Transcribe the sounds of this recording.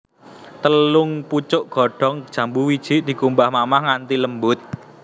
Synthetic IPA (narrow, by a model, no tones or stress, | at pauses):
t̪əlʊŋput͡ʃʊʔɡ̥ɔ̤ɖ̥ɔ̤ŋd̥ʒ̥ä̤mbuwid̥ʒ̥i̤ʔd̪̥i̤kumbahmamahŋant̪iləmbʊt̪̚